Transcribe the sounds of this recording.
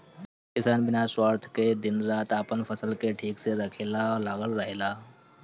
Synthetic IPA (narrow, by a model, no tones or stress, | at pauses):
kɪsaːnbɪnaswaːɾt̪ʰked̪ɪnɾaːt̪aːpənpʰəsəlkeʈʰiːkseɾəkʰeːlalaːɡəlɾəɦelaː